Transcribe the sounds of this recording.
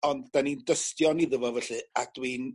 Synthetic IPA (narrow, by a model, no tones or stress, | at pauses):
ɔnddanindəstjɔniðəvɔvɛɬɨad̥win